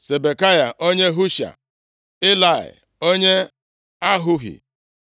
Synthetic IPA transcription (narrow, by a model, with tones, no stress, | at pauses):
se˨be˨ka˦ja˨ʔo˦ɲe˦ɦu˦ʃa̰˨ | ɪ˦la˨ɪ̰˨ | o˦ɲe˦ | a˦ɦʊ˦ɦḭ˨